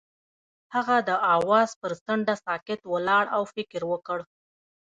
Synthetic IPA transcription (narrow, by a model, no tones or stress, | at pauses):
haɣad̪əʔɑwɑzpəɾsəɳɖasɑkɪt̪wəlɑɽawfɪkɾwəkəɽ